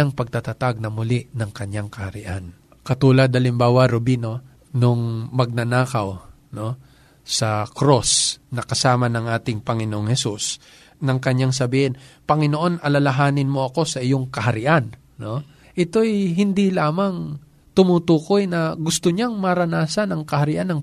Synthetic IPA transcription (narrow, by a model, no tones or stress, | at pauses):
aŋpɐɡ̚t̪at̪at̪aɡ̚nɐmʊlɪnɐŋkɐɲːaŋkɐhɐɾɪ̰ʔa̰n | kɐt̪uːlɐd̪̚hɐlɪmbaːwɐɾobino̞ | noŋmɐɡ̚nɐnaːkɐw | no̞ | sɐkɾosnɐkɐsaːmɐnɐŋʔaːt̪ɪŋpɐŋɪnoʔoŋhɛsus | nɐŋkɐɲːaŋs̬ɐbiːhɪnpɐŋɪno̞ʔo̞nʔɐlɐlɐɦaːnɪnmo̞ʔɐko̞sɐʔɪjoŋkɐɦɐɾɪʔanː | o̞ | ʔɪt̪o̞ʔɛjɦɪnd̪ilaːmɐŋ | t̪ʊmut̪uːko̞jnɐɡʊst̪oɲaŋmɐɾɐnaːsɐnɐŋkɐhɐɾɪʔanɐŋ